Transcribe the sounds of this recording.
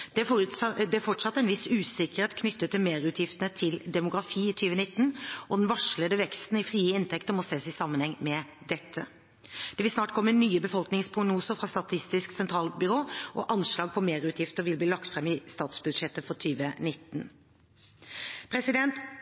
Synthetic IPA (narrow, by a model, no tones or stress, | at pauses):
d̪ɛfɔʈsɑt̪ːɛɪnʋɪsʉːsɪkəɾeːt̪kʰnʏt̪ːət̪ːɪlmeːɾʉt̪ʰjɪft̪ənət̪ʰɪld̪ɛmʊɡɾɑfiːɪt̪ʰyːʋənɪt̪ːnʔɔd̪nʋɑʂləd̪əʋɛkst̪n̩ɪfɾiːəɪnt̪ʰɛkt̪əɾmɔseːsɪsɑmːənhɛŋmɛd̪ɛt̪ʰːə̰ | d̪̥ɛʋɪlsnɑːʈ̚kʰɔmːənyːəbəfɔlknɪŋspʰʁʊɡnuːsəɾfɾʁɑst̪ɑt̪ʰɪst̪ɪsksɛnt̪ʰɾɑːlbʏɾoːʔɔʔɑnʂɭɑːɡ̚pʰɔmeːɾʉːt̪ʰjɪft̪əɾʋɪlb̪iːlɑkt̪fʁɛmːɪst̪ɑːt̪sbʉd̪ʂɛt̪ːəfɔɾt̪ʰyːʋənɪt̪ːn | pʰɾɛsɪd̪ɛnt̪